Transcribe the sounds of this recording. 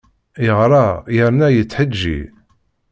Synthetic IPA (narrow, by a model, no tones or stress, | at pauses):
jəʁɾˤɑjəɾnæjət͡sːħəd͡ʒːḭ